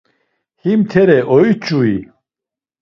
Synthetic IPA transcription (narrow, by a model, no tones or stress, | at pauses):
himt̪ʰɛɾɛʔɔit͡ʃʼui